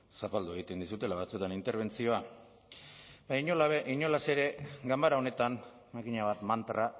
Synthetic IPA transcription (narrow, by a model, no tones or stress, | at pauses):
sapald̪ue̞ɣ̞it̪e̞nd̪isut̪e̞laβat͡suet̪anint̪e̞ɾβ̞e̞nt͡sio̞a | baɲolaβiɲo̞lase̞ɾe̞ɡambaɾao̞ne̞t̪an | makiɲaβat̪mant̪ɾa